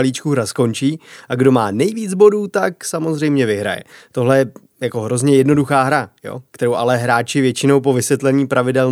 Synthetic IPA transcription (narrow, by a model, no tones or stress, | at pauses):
liːt͡ʃkuɦɾasko̞nt͡ʃiːʔaɡdo̞maːnɛjviːd͡zbo̞duːt̪aksamo̞zr̝ɛjmɲɛvɪɦɾa̰jɛ̰t̪oɦlɛjɛ | jako̞ɦɾo̞zɲɛjɛdno̞duxaːɦɾajo̞̰ːkt̪ɛɾo̞wʔalɛɦɾaːt͡ʃɪvjɛt͡ʃɪno̞wpo̞vɪsvjɛt̪lɛɲiːpɾavɪdɛl